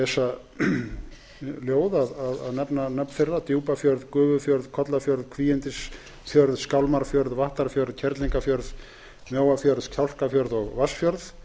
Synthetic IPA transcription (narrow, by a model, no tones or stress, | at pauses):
ɛsa | ljoːwðaðaða̰ðnɛpnanœpnfɪrðat̪juwpafjœɾðkʏːvʏfjœɾðkʰɔt̪lafjœɾðkʰviːjɛnt̪ɪs | fjœɾðskawlmaɾfjœɾðvaht̪aɾfjœɾðcʰɛɾt̪liŋkafjœɾð | mjoːwafjœɾðcʰawl̥kafjœɾðɔɣvasfjœɾð